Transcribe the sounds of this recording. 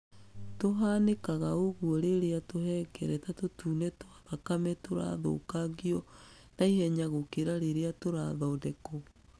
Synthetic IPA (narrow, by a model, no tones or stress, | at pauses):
toɦanekaɣaoɣuɔɾeɾeatohɛːkɛɾɛtatotuːnɛtoaðakamɛtoɾa̰ðo̰ːkaɣiɔ | naihɛɲaɣokeɾaɾeɾeatoɾaðɔodɛkɔ